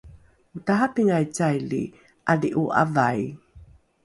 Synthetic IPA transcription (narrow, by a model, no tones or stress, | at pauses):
utaɦapiŋajt͡sajlḭ | ʔaliʔuʔa̰vaj